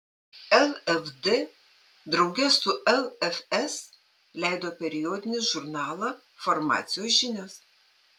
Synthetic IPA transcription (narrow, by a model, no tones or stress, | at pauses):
ɛlˠɛfd̪e | d̪ɾɒʊɡʲɛssʊʔɛlˠɛfʲɛs | lʲɛɪd̪oːpʲɛɾʲɪjoːd̪ʲɪnʲɪʒʊɾnɑːlˠɑ | fɔɾmɑ̰ːt̪sʲɪjoːsʒʲɪnʲos